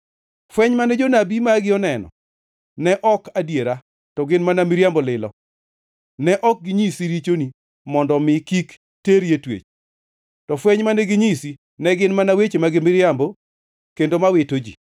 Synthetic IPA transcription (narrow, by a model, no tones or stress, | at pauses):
fwɛɲmanɛd͡ʒonabimaɡɪɔnɛnɔ̰ | nɛʔɔkadjeɾa | tɔɡɪnmanamɪɾjambolɪlɔ̰ | nɛʔɔk̚ɡɪɲisiɾit͡ʃoni | mɔndɔmɪkik | teɾjetwḛt͡ʃ | tɔfwɛɲmanɛɡɪɲisi | nɛɡɪnmanawet͡ʃemaɡɪmɪɾjambo | kendomawɪtod͡ʒḭ